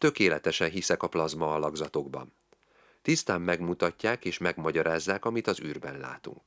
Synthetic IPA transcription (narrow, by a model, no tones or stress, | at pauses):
t̪ø̞keːlɛt̪ɛʃɛnɦisɛkɒplɒzmɒːlɒɡzɒt̪o̞ɡbɒ̰n | t̪ist̪aːmːɛɡmut̪ɒcːaːkeːʃmɛɡmɒɟɒɾaːzːaːkɒmit̪ɒzyːrbɛnla̰ːt̪ṵŋk